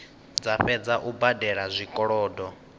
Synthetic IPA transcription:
d͡zaɸɛd͡zaʔubadɛɺazʷikʼɔɺɔːdɔ

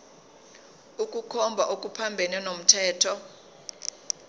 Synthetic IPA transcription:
ukʼukʰɔmbʱaʔokʼupʰambʱɛnɛnom̩tʰɛːtʰɔ

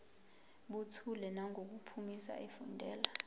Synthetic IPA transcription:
ɓutʰulɛnaŋʱok̬upʰumisa̰ʔefundʱɛːla

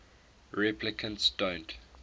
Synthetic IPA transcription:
ɹɛplɪkʰə̃ntsd̥õnt

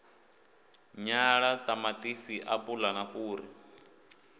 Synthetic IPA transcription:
ɲaɺatʼamatʼisiʔapʼulanaɸuːri

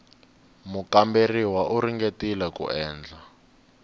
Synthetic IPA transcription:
mukamberiwaʔuɾiŋɡetilakṵʔɛːnd͡ɮa

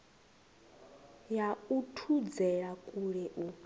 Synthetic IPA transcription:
jautʰud͡zɛɺakʼuɺɛʔu

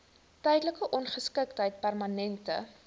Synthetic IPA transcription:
tɛjdələkəʔɔnχəskəktɦəjt̚pærmɐnɛntə̰

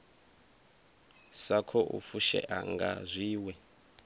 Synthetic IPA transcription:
sakʰɔʔufuʃɛ̰ʔaŋɡa̰zʷiːwɛ

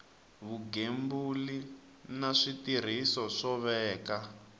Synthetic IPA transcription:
βuɡembuli | naʂitir̤isɔʂɔβɛːka

